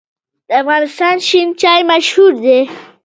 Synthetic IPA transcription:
d̪̥əafɣɑːnɪst̪ɑnʃint͡ʃɑjmaʃhuɾd̪e

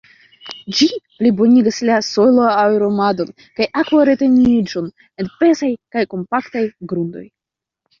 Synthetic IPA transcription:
d͡ʒiplibo̞niɡaslaso̞loawɾo̞mado̞n | kajʔakvaɾe̞te̞nid͡ʒo̞n | e̞npe̞sajkajko̞mpaktajɡɾundo̞̰j

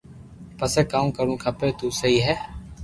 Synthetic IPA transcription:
pəseːkaːũmkəɾũːkʰaːpeːt̪uːsəɦiːɦɛː

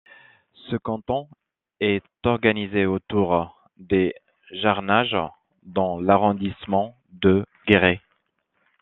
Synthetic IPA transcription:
səkɑ̃t̪ɔ̃ | ɛt̪ɔʁɡanizeot̪uʁ | d̪e | ʒaʁnaʒ | d̪ɑ̃laʁɔ̃d̪ismɑ̃ | d̪ə | ɡeʁe

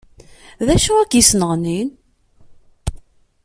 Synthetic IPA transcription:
ðæʃuækisnəʁnin

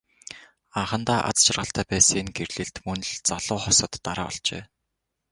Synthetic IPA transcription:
aɴχə̆nt̪aːʔa̰t͡st͡ɕʰɪ̆rʁə̆ɬt̪ʰæːpæːsenɡerɮɘ̆ɬt̪mɵnɮt͡saɮʊːχɔsɞ̆t̪ːaɾaːɔ̰ɮt͡ɕḛː

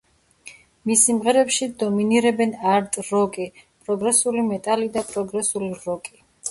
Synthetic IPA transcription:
misimʁɛɾɛpʃid̪ɔminiɾɛbɛnaɾt̪ʼɾɔkʼipʼɾɔɡɾɛsulimɛt̪ʼalid̪apʼɾɔɡɾɛsuliɾɔkʼi

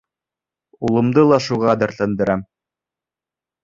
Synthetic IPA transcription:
ulˠɤ̆md̪ɤlˠɑʃuʁɑd̪ɤ̆ɾt̪ɤ̆nd̪ɤ̆ɾɑm

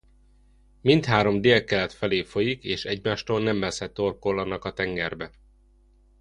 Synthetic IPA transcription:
mint̪haːɾo̞md̪eːlkɛlɛt̪fɛleːfo̞jikeːʃɛɟmaːʃt̪oːlnɛmːɛsɛt̪ːorkolːɒnɒkɒt̪ɛŋɡɛrbɛ

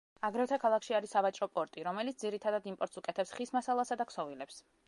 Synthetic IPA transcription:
aɡɾɛft̪ʰakʰalˠakʃiaɾisavat͡ʃʼɾɔpʼɔɾt̪ʼiɾɔmɛlit̪sd̪ziɾit̪ʰad̪ad̪impʼɔɾt̪sukʼɛt̪ʰɛpsχismasalˠasad̪akʰsɔvilɛps

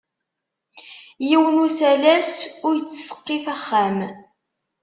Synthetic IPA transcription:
jiwənusælæsʊɾjət͡sːsə̥qːiθæχːæm

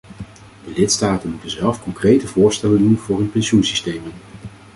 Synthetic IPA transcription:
dəlɪtstaːtənmutənzɛlˠfkɔŋkrejtəvʊːɹstɛləndunv̥ʊːɹɦɵnpɛnʃunsistejmən

